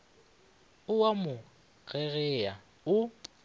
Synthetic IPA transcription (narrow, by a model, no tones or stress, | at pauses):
ʊwamʊ | ɣɛɣɛa | ʊ